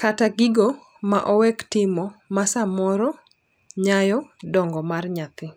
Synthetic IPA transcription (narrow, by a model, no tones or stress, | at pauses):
kataɡɪɡɔ | maʔɔwɛktɪmɔmasamɔɾɔ | ɲajɔdɔŋɡɔmarɲat̪ɪ